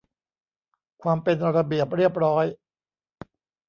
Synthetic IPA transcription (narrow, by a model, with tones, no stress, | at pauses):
kʰwaː˧mpe˧nɾa˧bi˨˩əp̚ɾi˥˩əp̚ɾɔː˦˥j